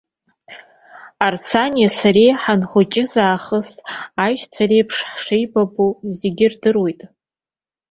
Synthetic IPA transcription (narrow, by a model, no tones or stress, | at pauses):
arsʰanjasarejħanχʷʊt͡ʃʼɪzaːχəsajʃt͡sʷʰaɾejpʰʂħʂejbabuzeɡʲɪrdɨrwejtʼ